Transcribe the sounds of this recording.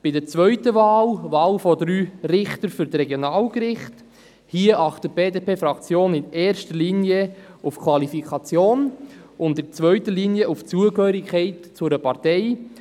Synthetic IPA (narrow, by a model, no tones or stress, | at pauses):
b̥ɪdət͡svœʏtəvaːlʋaːlfɔdɾyːɾɪχtəɾfʏɾtrɛɡjonɑːlkɾɪχt | hiəʔɑχtət̚b̥eːdepʰeːfɾɑkt͡sjoːnɪnɛːɾʃtəliːniəufkʰvɑlifikʰɑt͡sjoːnʊntɪt͡sʋœʏtəliːniəʔuft͡suəkhœːɾikχɛɪtt͡sʊɾəpɑɾtɛɪ